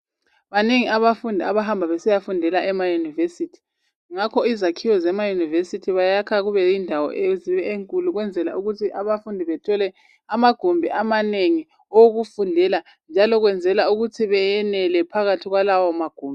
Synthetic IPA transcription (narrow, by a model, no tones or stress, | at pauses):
βaneŋiaβafundʱiaβaɦambʱaβɛsɛjafundʱɛlaʔɛmajunivesitʰi̥ | ŋakʰɔizakʰijɔzɛmajunivesitʰiβajakʰaɣuβɛjindʱawɔ̰ʔeziβɛeŋkʼuluɣwɛnd͡zʱɛla̰ʔuɣutʰiʔaβafundʱiβɛtʰɔlɛ | amaɡ̥ʱumbʱiʔamaneŋi | oɣufundʱɛla | nd͡ʒʱalɔɣwɛnd͡zʱɛlauɣutʰiβɛjɛnɛlɛpʰaɣatʰiɣwalawɔmaɡ̥ʱuːmbɛ